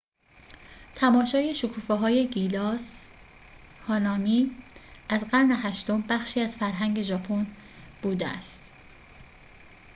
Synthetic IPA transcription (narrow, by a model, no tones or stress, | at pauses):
t̪ʰæmɒːʃɒːje̞ʃokʰuːfeɦɒːje̞ɡilɒːs | hɒːnɒːmiːʔæzɢæɾne̞ɦæʃt̪o̞mbæxʃiːæz̥fæɾɦæŋɟe̞ʒɒːpʰon | b̥uːd̪eæ̰st̪